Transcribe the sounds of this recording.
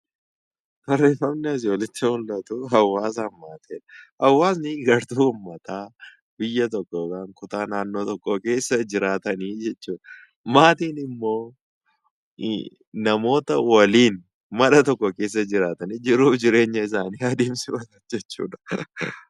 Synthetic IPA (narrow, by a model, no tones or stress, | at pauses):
bɐrːeːfːɐmnɛɐs̬ɪɔlɪt͡ʃːɐhʊlːɐt̪uɦɐwːaːs̬ɐnmaːt̪eːᶑɐ̥hɐwːaːsnɪɡɐɾt̪uːʊmːɐt̪aː | bɪjːɐt̪ɔkːoɡaːŋkʊt̪aːnaːnːoːt̪ɔkːoke̞ːsːɐd͡ʒɪɾaːt̪ɐniːd͡ʒɛt͡ʃːuːᶑɐ | maːt̪iːnɪmːo̞ː | ɐmo̞ːt̪ɐwɐliːn | mɐᶑɐt̪ɔkːɔke̞ːs̬ːɐd͡ʒɪɾaːt̪ɐniːd͡ʒɪɾːuːfd͡ʒɪɾe̞ːɲːɐɪsaːniːɐd̪iːmsɪbɐsɐd͡ʒɛt͡ʃːṵːᶑɐ̥